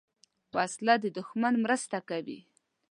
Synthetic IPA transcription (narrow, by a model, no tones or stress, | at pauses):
paslad̪əd̪ʊxmanmɾəst̪akawḭ